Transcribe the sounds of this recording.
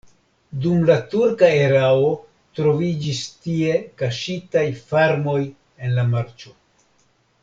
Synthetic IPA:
dumlatuɾkaeɾao̞ | tɾo̞vid͡ʒistie̞kaʃitajfaɾmo̞j | e̞nlamaɾt͡ʃo̞

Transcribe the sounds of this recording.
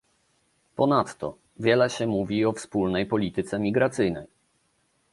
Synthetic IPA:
pɔnat̪ːɔ̰ | vʲjɛlɛɕɛmuvʲiɔfspulnɛjpɔlʲit̪ɘt̪sɛmʲiɡɾat̪sɘjnɛj

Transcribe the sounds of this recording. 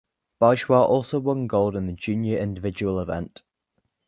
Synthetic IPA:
b̥ɑʒwɑːʔɔˑlˠsoʊwʌ̃nɡoʊlˠdɪ̃nðəd͡ʒʉ̃ːnjəɹɪ̃ndɪvɪd͡ʒəwəlɪvɛ̰̃nt

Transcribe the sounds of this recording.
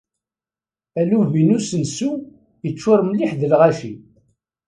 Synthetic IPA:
æluvinusənsu | jət͡ʃːʊɾˤmliħðəlʁaʃi

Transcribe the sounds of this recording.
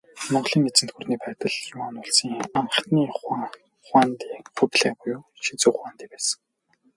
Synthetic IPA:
mɔɴɢɮiːŋet͡sɘ̆nt̪xurniːpæːt̪ə̆ɮjʊwaːnʊɮsiːŋam̆t̪niːχ | χwaːnt̪iːχʊpɮæːbʊjʊː | ʃit͡sŭːχwaːnt̪iːpæːsə̥̆ŋ

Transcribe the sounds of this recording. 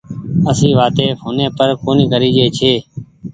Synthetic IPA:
əsĩːʋaːt̪eːpʰoːnẽːpəɾkoːniːɡəɾiːd͡ʒeːt͡ʃʰeː

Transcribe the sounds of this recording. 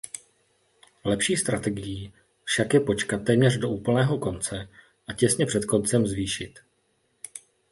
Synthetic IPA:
lɛpʃiːst̪ɾat̪ɛɡɪjiː | fʃakjɛpo̞t͡ʃkat̪̚ːɛːmɲɛrdo̞ʔuːpl̩nɛːɦo̞ko̞nt͡sɛ | ʔacɛsɲɛpr̥ɛt̪ko̞nt͡sɛmzviːʃɪt̪

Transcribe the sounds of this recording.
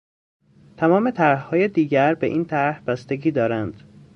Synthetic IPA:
t̪ʰæmɒːmet̪ʰæɾhhɒːjed̪iːɟæɾbḛʔiːnt̪ʰæɾhb̥æst̪e̞ɟiːd̪ɒːɾænd̪̥

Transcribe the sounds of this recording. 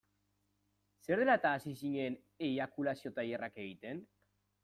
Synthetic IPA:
se̞ɾðelat̪aːsisiɲen | eβakulasio̞t̪ajerake̞ɣ̞it̪e̞n

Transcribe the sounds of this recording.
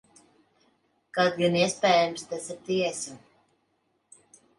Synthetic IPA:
kad̪juniɛspɛːjamst̪ɛsiɾt̪iɛsa

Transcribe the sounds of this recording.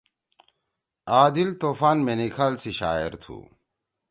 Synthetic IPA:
aːd̪ilt̪oːfaːnmenikʰaːlsiɕa̰ːeɾt̪ʰṵ

